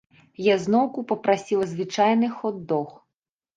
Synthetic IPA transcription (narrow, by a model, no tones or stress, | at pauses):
jaznɔwkupɔpɾasʲilˠɐzʋɪt͡ʃajnɪxɔd̪ːɔx